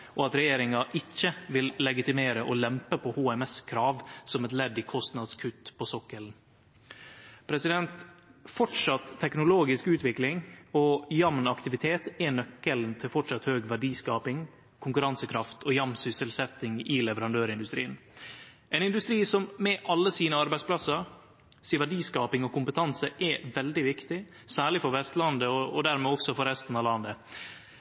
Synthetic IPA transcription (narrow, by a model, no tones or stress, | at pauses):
ʔɔɑt̪ɾɛjeːɾɪŋɑʔɪçːəʋɪllɛɡɪt̪ɪmeːɾəʔɔlɛmpəpʰɔhuːɛmɛskʰɾɑːʋsɔmɛt̪lɛd̪ːɪkʰɔst̪nɑd̪skʰʉt̪ːpʰɔsɔkːəln | pʰɾɛsɪd̪ɛnt̪fɔʈʂɑt̪ʰːɛknʊloːɡɪskʉːt̪ʋɪklɪŋɔjɑmnɑkt̪ɪʋɪt̪ʰeːt̪ɛnœkːəlnt̪ʰɪlfɔʈʂɑt̪høːɡʋæɖiːskɑːpɪŋ | kʰʊŋkʉɾɑnsəkʰɾɑft̪ʰɔjɑmnsʏsəlsɛt̪ːɪŋɪlɛʋəɾɑnd̪øːɾɪnd̪ʉst̪ɾiːən | ɛɪnɪnd̪ʉst̪ɾiːsɔmmɛʔɑlːəsiːnəɑɾbæɪspʰlɑsəɾ | siʋæɖiːskɑːpɪŋɔkʊmpət̪ʰɑnsəʔɛʋɛld̪ɪʋɪkt̪ɪ | sæːɭɪfɔɾʋɛst̪lɑnd̪əɔɔd̪æɾmɛɔksɔfɔɾɛst̪n̩ɑʋlɑnd̪ə